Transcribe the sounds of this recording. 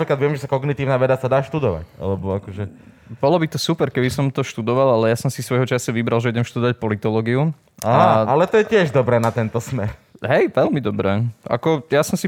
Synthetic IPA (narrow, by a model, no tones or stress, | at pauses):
pɾiklad̪ʋɪɛmʒɛsakɔɡnit̪iːʊnaːʋɛd̪asad̪aːʃt̪ud̪ɔʋa̰ca̰lɛbɔakɔʒɛ | bɔlɔbit̪ɔsupɛɾkɛbisɔmt̪ɔʃt̪ud̪ɔʋalalɛjasɔmsisʋɔjɦɔt͡ʃasaʋibɾalʒɛuɟɛmʃt̪ud̪ɔʋac̚pɔlit̪ɔlɔːɡiu | aɦaalɛt̪ɔjɛcɪɛʒd̪ɔbɾɛːnat̪ɛnt̪ɔsmɛɾ | ɦɛjʋɛlmid̪ɔbɾɛːʔa̰kɔjasɔmsi